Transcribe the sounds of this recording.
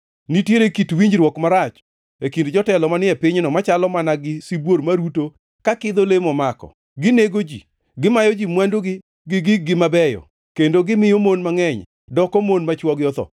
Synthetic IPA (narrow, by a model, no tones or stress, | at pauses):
nitjeɾekitwiɲd͡ʒɾwɔkmaɾat͡ʃ | ekindd͡ʒɔtɛlɔmanɪɛpɪɲnɔmat͡ʃalɔmanaɡɪsibwoɾmaɾuto | kakɪd̪olemɔmakɔ̰ | ɡɪneɡod͡ʒḭ | ɡɪmajɔd͡ʒimwandoɡɪ | ɡɪɡɪɡɪmabɛjɔ̰ | kendoɡɪmɪjomonmaŋɛɲ | dɔkɔmonmat͡ʃwɔɡɪɔt̪ɔ̰